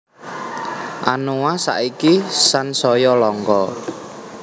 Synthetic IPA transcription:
ʔanuwasa̰ʔikisansɔjɔlɔŋkɔ

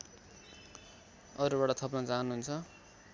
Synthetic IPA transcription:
ʌɾubaʈʌt̪ʰʌpnʌt͡saɦnuɦunt͡sʰʌ

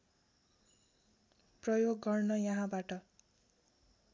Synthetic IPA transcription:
prʌjoɡːʌrnʌjʌɦãbaʈʌ

